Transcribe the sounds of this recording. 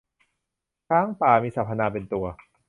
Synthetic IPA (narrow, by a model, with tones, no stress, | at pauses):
kʰɾaː˦˥ŋpaː˨˩miː˧sa˨˩pʰa˧naː˧pe˧nt̪u˧ɐ